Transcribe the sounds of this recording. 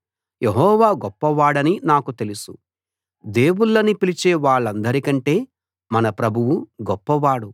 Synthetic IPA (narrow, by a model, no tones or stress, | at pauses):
jʔeɦɔːʋaːɡɔpːɐʋaːɽɐninaːkut̪e̞lusu | d̪e̞ːwuɭːɐnipilit͡ʃeːʋaːɭːɐnd̪ɐɾikɐɳʈe̞ː | mɐnɐpɾɐbʱuʋuɡɔpːɐʋaːɽu